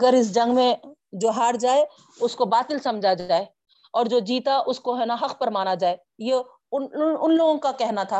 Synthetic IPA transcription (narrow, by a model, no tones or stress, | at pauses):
ɡəɾɪs̬d͡ʒɐ̃ŋɡmẽd͡ʒoːɦaːɾd͡ʒaːe | ʊskobaːt̪ɪlsɐ̃md͡ʒʱad͡ʒaːe | ɔːɾd͡ʒoːd͡ʒiːt̪aʔʊskoɦɛːnaɦɐqʰpɐɾmaːnad͡ʒaːe | je | ʊnʊnloːɡõkakɛɦnat̪ʰa